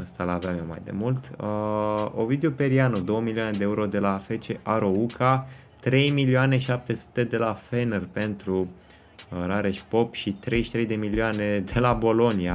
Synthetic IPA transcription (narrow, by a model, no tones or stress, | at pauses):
əst̪alavamema̰jd̪e̞̰mult̪ | o̰vid̪eope̞ɾianud̪o̞womilioane̞d̪eeuɾo̞d̪e̞lafe̞t͡ʃeʔaɾo̞ukʰa | t̪ɾe̞jmiliane̞ʃiap̚t̪e̞su̥t̪e̞d̪e̞lafe̞nerpe̞nt̪ɾu | ɾaɾeʃʲpo̞pʃit̪ɾe̞jʃi̥t̪ɾe̞jd̪e̞milioane̞d̪e̞labo̞lo̞nia